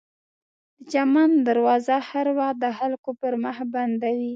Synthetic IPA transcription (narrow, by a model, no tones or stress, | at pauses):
d̪̥əd͡ʒamɑnd̪aɾwɑzahaɾwad̪əxalkopəɾməxband̪awi